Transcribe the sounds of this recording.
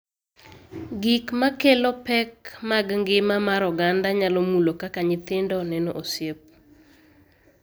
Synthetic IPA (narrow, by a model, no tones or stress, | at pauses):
ɡikmakelɔpɛkmaɡŋɡɪmamaɾɔɡandaɲalɔmulokakaɲɪt̪ɪndɔnɛnoʔosjep̚